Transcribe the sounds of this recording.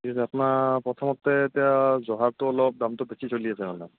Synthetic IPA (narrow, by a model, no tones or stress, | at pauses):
isapʊnapɹɔt̪ʰɔmɔt̪ːɛtɛjazɔɦab̚tʊɔlɔp̚damtʊbesisoliasɛmana